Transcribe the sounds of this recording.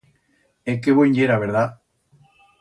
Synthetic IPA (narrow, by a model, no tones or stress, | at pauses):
ekeβojɲɟeɾaβeɾða